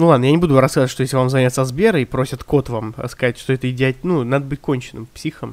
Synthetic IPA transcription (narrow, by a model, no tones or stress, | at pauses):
nulˠad̪nəjanʲɪbud̪ʊɾɐskazətʲʂt̪ojeslʲɪvamzɐnʲat̪səzbʲeɾəipɾo̞sʲɪt̪ko̞t̪vam̰skɐzatʲʂt̪oɛt̪əɪdʲɪatʲnunad̪əbɨtʲko̞nʲt͡ɕɪnːɨ̰mpsʲixəm